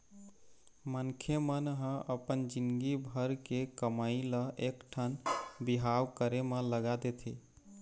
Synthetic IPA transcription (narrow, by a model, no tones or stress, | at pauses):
mənkʰjemənɦə̃əpənd͡ʒinɡibʱəɾkekəmailəʔekʈʰənbiɦawkəɾemẽləɡad̪et̪ʰḭ